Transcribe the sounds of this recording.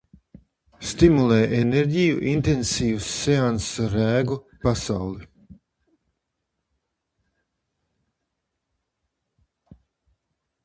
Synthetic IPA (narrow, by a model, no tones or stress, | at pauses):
st̪imulˠɛːʔɛneɾʲɟijṵʔint̪ensiːvusːeansɾæːɡu | pasawlˠi